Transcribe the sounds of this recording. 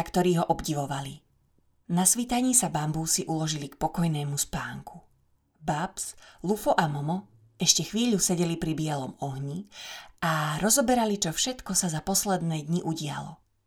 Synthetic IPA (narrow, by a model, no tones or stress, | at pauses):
akt̪ɔɾiːɦɔʔɔbɟiʋɔʋali | nasʋit̪aɲiːsabambuːsiʔulɔʒilikpɔkɔjnɛːmuspaːŋku̥ | bapslufɔʔamɔmɔ | ɛʃcɛxʋiːʎusɛɟɛlipɾibɪɛlɔmɔɦɲiaɾɔzɔbɛɾalit͡ʃɔfʃɛt̪kɔsazapɔslɛd̪nɛːd̪ɲiʔuɟɪa̰lɔ̰